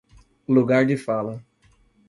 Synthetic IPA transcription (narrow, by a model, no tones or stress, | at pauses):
luɡaɾd͡ʒɪfalɐ